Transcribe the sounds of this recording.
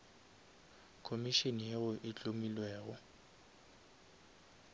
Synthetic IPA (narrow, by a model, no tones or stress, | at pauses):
kʰomiʃenijeʊʔɪt͡ɬʼomilwɛːɣɔ